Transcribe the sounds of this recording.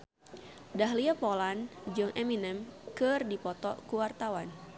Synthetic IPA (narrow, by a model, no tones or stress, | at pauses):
daɦliapɔland͡ʒɨŋʔɛminɛmkɨrdipɔt̪ɔ̰kuwart̪awan